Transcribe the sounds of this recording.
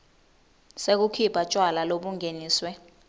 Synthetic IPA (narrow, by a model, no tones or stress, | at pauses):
sek̬ukʰipʰat͡ʃʼwalaloɓuŋeniːswɛ